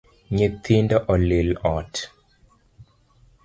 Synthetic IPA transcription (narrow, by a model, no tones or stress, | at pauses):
ɲet̪ʰindɔʔɔlelɔt